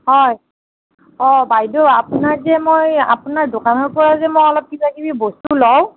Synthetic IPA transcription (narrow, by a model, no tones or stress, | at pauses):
hɔj | ɔbajdɔapunaɹzɛmoja̰punaɹdokanɔɹkɔɹazɛmojɔlɔp̚kitakibibostulɔw